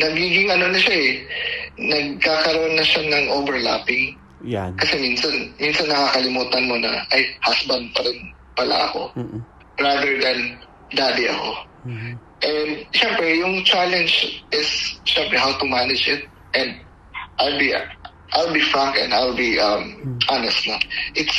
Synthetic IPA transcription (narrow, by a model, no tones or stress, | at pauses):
nɐɡiːɡɪŋɐno̞nɐʃaɛ | nɐɡ̚kaːkɐɾoʔonːɐʃanɐŋʔoːbɛɹla̰pɪŋ | kɐsɛminsɐnminsɐnːɐkakɐlɪmuːt̪ɐnmo̞nɐ̰ʔɐjhasbɐnd̪̚pɐɾɪn | pɐla̰ʔɐ̰ko̞̰ | ɹad̪ɛɹd̪ɐn | d̪aːd̪ɪʔɐ̰ko̞ | ʔɛnd̪ʃɛmpɾɛjʊŋt͡ʃalɛnd͡ʒʔɪsʃɛmpɾɛɦawt̪ʊmanɪd͡ʒɪt̪̚ | ʔɛ̃nd̪̚ | ʔajlbi | ʔajlbifɹãŋkɛ̰̃nd̪ajlbiʔɐmʔanɛst̪̚mɐʔɪt̪s